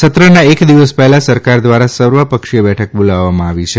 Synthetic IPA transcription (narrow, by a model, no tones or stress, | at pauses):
sət̪ɾənaekd̪iʋəspɛɦɛlasəɾkaɾd̪ʋaɾasəɾʋəpəkʃijəbɛʈʰək̚bolaʋːamãaʋit͡ʃʰe